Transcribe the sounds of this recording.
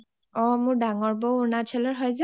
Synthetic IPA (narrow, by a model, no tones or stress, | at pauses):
ɔmʊɹdaŋɔɹbɔʊnat͡ʃʰɛlɔɹɦɔjza